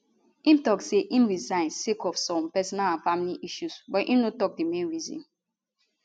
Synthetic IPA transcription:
ĩmtɔkseʔĩmɹizãɪ̃nsekɔfsɔ̃mpɛsɔnalãnfamiliʔiʃusbɔtʔḭ̃mnotɔk̚demẽnɹizḭ̃n

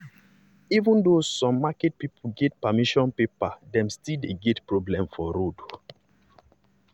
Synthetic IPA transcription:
ivũndosɔ̃mːakɛt̚pipʰuɡɛtpamiʃɔ̃npepadɛ̃mstildeɡɛtpɹɔblɛ̃mfɔɾod

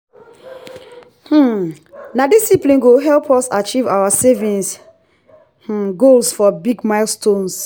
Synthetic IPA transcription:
h̩ | nadisiplĩnɡoɦɛlpʰɔsat͡ʃiva̰wasevĩns | h̩ɡolsfɔbiɡmaɪlstõns

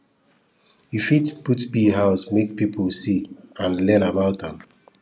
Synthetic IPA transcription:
jufitputbiɦaʊsmek̚pipʰəlsiãnlɛnabaʊtðɛ̃m

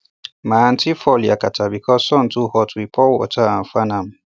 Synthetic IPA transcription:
mantʰifɔliakatʰabikɔsɔntuhɔtwipʰɔwɔ̰taafanam

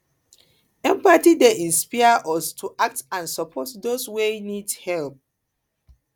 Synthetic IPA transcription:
ɛ̃mpatideʔĩnspaaʔɔstʰuʔak̚tãnsɔpʰɔtdoswenidhɛlp̚

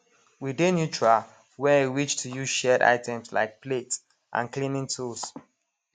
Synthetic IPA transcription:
widenjut͡ʃɹa | wɛewit͡ʃtʰujuzʃɛda̰ɪtʰɛ̃msla̰ɪk̚plet | ʔã̰nklĩnĩŋtʰuls

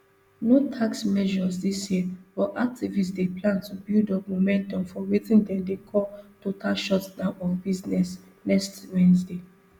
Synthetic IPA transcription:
notʰaksmɛʒɔsdisjifɔʔak̚tivisdeplãntubildɔtmomɛ̃ntɔ̃mfɔwetĩndɛ̃mdekʰɔltotʰaʃɔtsdãʊ̃nɔfbiznɛs | nɛkstwɛ̃nsde

